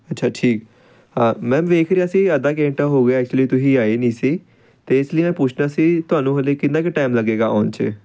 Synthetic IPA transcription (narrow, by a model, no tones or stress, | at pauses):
ətːʃʰaːʈʰiːk | hãːmɛ̃ːʋeːkʰɾeaːəsĩːəd̪aːk̬ẽːɳʈaːɦoːɡaːɛːk̚t͡ʃʊliːt̪ʊsĩːaːeːnĩːsiː | t̪eːɪsləiːmɛ̃ːpʊt͡ʃʰnaːsiːt̪ʊaːnũːɦəleːkɪnd̪ãːkeʈaːɪmləɡeːɡaːʔɔ̰ːnt͡ʃḛ